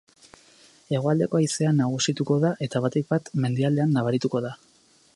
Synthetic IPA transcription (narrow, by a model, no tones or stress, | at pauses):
e̞ɣo̞ald̪e̞ko̞aise̞anːaɣ̞usit̪uko̞ðaʔe̞t̪aβ̞at̪ik̚bat̪me̞nd̪iald̪e̞anːaβaɾit̪uko̞ða